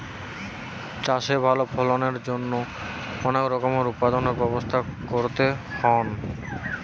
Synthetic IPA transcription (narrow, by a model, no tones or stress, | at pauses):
t͡ɕaʃebʱalopʰɔloneɾd͡ʑonːo | ɔnekɾɔkomoɾupːad̪oneɾbɛbost̪ʰakoɾt̪ehɔn